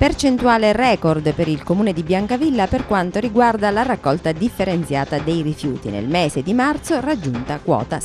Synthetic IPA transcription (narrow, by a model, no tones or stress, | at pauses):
pert͡ʃent̪uaːlerɛːkord̪peɾilkomuːned̪ibjaŋkavilːaperkwant̪oɾiɡward̪alarakːɔlt̪ad̪ifːeɾent̪sjaːt̪ad̪ejrifjṵːt̪ḭnḛlmeːzed̪imart̪sorad͡ʒːunt̪akwɔ̰ːt̪a